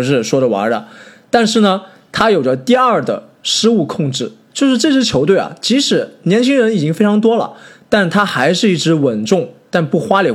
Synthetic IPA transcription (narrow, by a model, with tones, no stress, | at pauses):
ʂɻ̩˥˩ʂwɔ˥ɾə˨wa̰˧˥lə̰˧t̪a˥˧nʂ̬ɻ̩˥˩nə˩ | t̪ʰa˥jo˨˩ʊʈ͡ʂə˥˧t̪i˥˧ɐ˞˥˩d̪ə̰˩ʂɻ̩˥u˥˧kʰʊ˥˧ŋʈ͡ʂɻ̩˥˩t͡ɕjo˥˧ʊʂɻ̩˥˧ʈ͡ʂɤ˥˧ɕʰɛ˥t͡ɕʰjo˧˥t̪we˥˩ɪa̰˩t͡ɕi˧˥ʂɻ̩˨˧˥njɛ˧˥nt͡ɕʰi˥ŋɻə˧˥ni˨˩t͡ɕi˥ŋfe˥ɪʈ͡ʂʰɑ˧˥ŋt̪wɔ˥lə̰˩t̪a˥˩nt̪ʰa˥xa˧˥ɪʂɻ̩˥˧i˥˩ʈ͡ʂɻ̩˧˥wə˨˩nʈ͡ʂʊ˥˩ŋt̪a˥˧npu˥˩xwa˥li˨˩